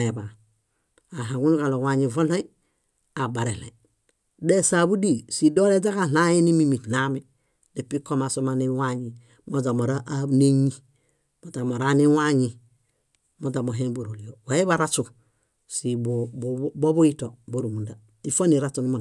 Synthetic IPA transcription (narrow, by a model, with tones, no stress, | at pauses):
e˨ba˨ | a˨ɦa˨ɡu˦n˦ka˨lo˨wa˨ɲi˨vo˦la˦ | a˨ba˨ɾe˨lḛ˨ | de˦sa˨bu˦di˦˨si˨do˦ɾe˦d͡ʒa˦ka˦˨la˦je˦ni˦mi˦mi˨tla˦mi˦ | de˨pi˦ko˦ma˨so˦ma˦ni˦wa˦ɲi˨ | mo˦d͡ʒa˨mo˨ɾa˦ʔne˦ɲi˦ | mo˨ta˨mo˨ɾa˦ni˦wa˦ɲi˨ | mo˨d͡ʒa˨mo˨ɦe˦nbo˨ɾo˨li˨jo˨wa˨˦e˦βa˦ɾa˦t͡ʃu˨ | si˨bobo˦bu˦i˦to˨bo˨ɾu˨mu˨nda˨ | i˦˨fo˦ni˨ɾa˦t͡ʃu˨ni˦mo˨